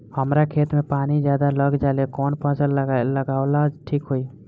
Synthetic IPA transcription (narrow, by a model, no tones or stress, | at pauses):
həmɾakʰet̪mepanid͡ʒjad̪aləɡd͡ʒalekɔnpə̃t͡ʃəlləɡalad͡ʒʈʰikɦoi